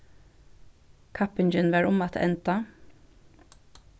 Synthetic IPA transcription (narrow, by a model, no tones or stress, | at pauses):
kʰɑpɪnd͡ʒənʋæɾʊmɑt̪ʰʔɛ̰nt̪ɑ